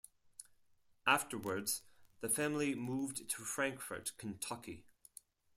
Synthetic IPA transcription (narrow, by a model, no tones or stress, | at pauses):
ʔaftə˞wə˞dz̥ðəfãml̩ˠimuvdtʰəfɹãŋkfə̰˞ʔkʰə̃ntʰʌki